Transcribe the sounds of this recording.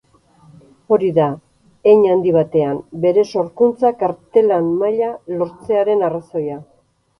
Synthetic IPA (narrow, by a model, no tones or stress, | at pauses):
o̞ɾiða | eɲand̪iβ̞at̪e̞ambe̞ɾe̞so̞ɾkunt͡sakaɾt̪e̞lanmːaʎalo̞ɾt͡se̞aɾe̞naraso̞ja